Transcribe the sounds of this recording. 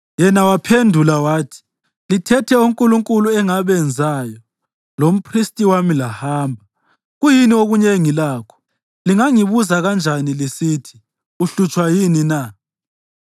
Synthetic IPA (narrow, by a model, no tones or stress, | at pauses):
jɛnawapʰendʱulawaːtʰi̥ | litʰɛtʰɛuŋkʼuluŋkʼuluɛŋaβɛnd͡zʱajɔ | lom̩pʰristʼiwamilahaːmbʱa | ɣujinioɣuɲeŋilaːkʰɔ̥ | liŋaŋiβuzaɣand͡ʒʱanilisiːtʰi̥ | uɬut͡ʃʼwajinina